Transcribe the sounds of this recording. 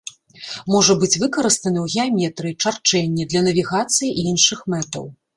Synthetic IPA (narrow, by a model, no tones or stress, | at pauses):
mɔʐɐbɨt͡sʲvɨkɐɾɨst̪ɐnɨwɣʲiamʲɛt̪ɾɨt͡ʂart͡ʂɛnʲːɛd̪lʲɐnɐvʲiɣat̪sɨjiʔinʂɨxmɛt̪ɐ̰w